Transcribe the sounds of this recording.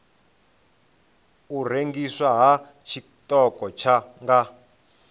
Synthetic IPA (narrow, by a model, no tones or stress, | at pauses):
ur̤eŋɡiswaɦa | t͡ʃʰi | tɔkɔt͡ʃʰaŋɡa